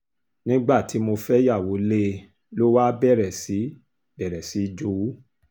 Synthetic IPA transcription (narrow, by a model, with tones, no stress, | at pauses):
nĩ˦ɡ͡ba˦˨tʰi˨˦mo˧fɛ˦ja˦˨wo˨˦le˦ | lo˦wa˦bɛ˦˨ɾɛ˨si˨˦ | bɛ˨ɾɛ˨si˨˦d͡ʒo˧˦u˦